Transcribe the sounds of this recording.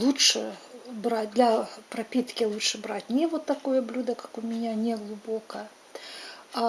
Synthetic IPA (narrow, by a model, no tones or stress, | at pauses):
lˠuʂɨbɾat͡sʲd̪lʲɐpɾapʲit̪kʲilˠutʂɨbɾat͡sʲnʲɛvɔt̪ːakɔjɐblʲud̪ɐkɐkumʲɪnʲanʲɛɣlˠubɔkɐ